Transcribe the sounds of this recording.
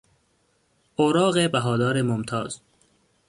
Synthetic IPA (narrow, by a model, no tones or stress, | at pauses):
ʔoːɾɒːɣebæɦɒːd̪ɒːɾemomt̪ʰɒːz̥